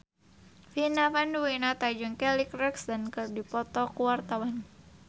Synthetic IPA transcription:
finafanduwinat̪ad͡ʒɔnkɛlikrɛksd̪ankɨrdipɔt̪ɔkuwart̪awan

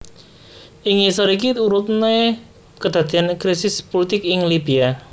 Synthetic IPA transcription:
ʔɪŋisɔɾik̬iuɾʊt̪̚ne | kəd̪̥a̤d̪̥i̤ankɾisɪspolit̪ɪkɪŋlibia

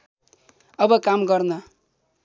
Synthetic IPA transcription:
ʌbʌkamɡʌrnʌ

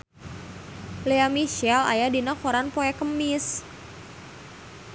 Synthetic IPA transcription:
leamiʃɛla̰jadinakɔɾanpoɛkəmis

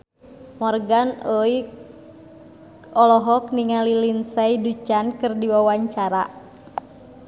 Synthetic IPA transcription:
mɔrɡanəi | ɔlɔɦɔk̚niŋalilinsajdut͡ʃankɨrdiwawaɲt͡ʃaɾa

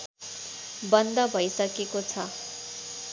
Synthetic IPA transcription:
bʌnd̪ʌbʱʌjsʌkekot͡sʰʌ

